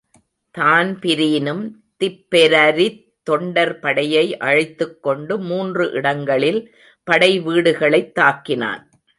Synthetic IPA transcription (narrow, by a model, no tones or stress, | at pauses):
t̪aːnpɪɾijnɯm | t̪ɪpːɛɾɐɾit̪ːɔɳɖɐɾpɐɽɐjɐɪʔɐɻɪt̪ːɯkːɔɳɖɯmuːndrɯʔɪɽɐŋɡɐɭɪl | pɐɽɐɪʋiːɽɯɣɐɭɐɪt̪ːaːkːɪna̰ːn